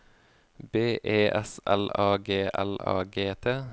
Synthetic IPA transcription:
beːʔeːʔɛsɛlɑːɡeːʔæ̰lɑ̰ːɡeːt̪ʰeː

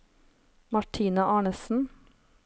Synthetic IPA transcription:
mɑʈʰiːnɑʔɑːɳəsn̩

